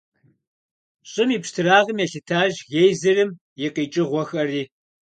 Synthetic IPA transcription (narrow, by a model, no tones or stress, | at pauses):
ɕʼɪmiːpʂtʰɨraːʁəmjɛɬɨtʰaːʒɣejzɨrɨm | jɛqiːt͡ʃʼɪʁʷɔxɐriː